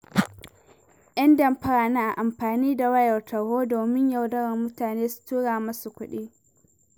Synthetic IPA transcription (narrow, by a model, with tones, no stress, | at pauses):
ʔɐ˦ndɐ˨mɸɐ˦ɽaː˨naː˦ʔa˨ʔa˨mɸaː˨niː˦da˨wɐ˦jɐ˨rtɐ˨ɽhoː˦doː˨mɪ˦ɲja˨wdɐ˦ɽɐ˨rmʊ˦taː˨neː˦su̥˨tuː˦ɽaː˨mɐ˦su˨kʷʊ˦ɗiː˦